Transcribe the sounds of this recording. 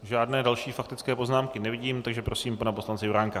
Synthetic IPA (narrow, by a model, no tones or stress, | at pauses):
ʒaːdnɛːdalʃiːfakt̪ɪt͡skɛːpo̞znaːmkɪnɛvɪɟiːmt̪aɡʒɛpɾo̞siːmpanaposlant͡sɛjuɾaːŋka